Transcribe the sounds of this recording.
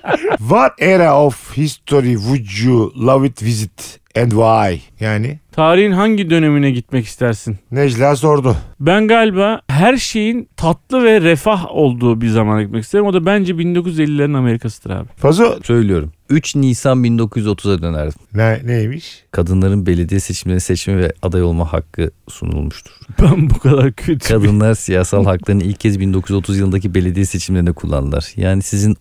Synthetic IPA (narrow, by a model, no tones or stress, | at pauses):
vaɾeɾaofhist̪ʰoɾivud͡ʒjulˠavit̪ʰvizit̪ | ɛnd̪wajjaːnɪt̪ʰaːɾihinɦaɲɟid̪ø̞ne̞minɛɟit̪mɛci̥st̪ʰæɾsinned͡ʒlʲɛːs̬o̞ɾd̪ʊbænɡalʲbaɦæɾʃe̞jint̪ʰat̪lˠɯvɛɾɛfaɦo̞lˠd̪uːbiɾzamanaɟit̪mɛcist̪eɾimo̞d̪abænd͡ʒɛbind̪o̞kujyze̞lʲːilʲeɾiname̞ɾikʰasɯ̥d̪ʰɯɾa̰ːbɪ̥fazosø̞jlʲijo̞ɾumyt͡ʃniːsanbind̪o̞kʰuzjyzo̞t̪ʰuzad̪ø̞næɾd̪imnɛnejmiʃkʰad̪ɯnlˠaɾɯnbe̞lʲe̞d̪ijɛse̞t͡ʃʰimlʲeinisɛt͡ʃmɛvɛad̪ajo̞lˠmaha̰kʰːɯsṵnṵlˠmuʃt̪ʰu̥ɾ̥b̥ænbukʰad̪aɾcʰøt̪ʰkʰad̪ɯnlˠaɾsijaːhsalˠɦaklˠaɾɯnilʲccʰːɛzbind̪o̞kʰujyzo̞t̪ʰuzjɯlˠɯnd̪acʰibe̞lʲe̞d̪ijɛse̞t͡ʃʰimlʲe̞ɾinɛkʰulˠːa̰nɯlˠa̰ɾ̥jaːnisizin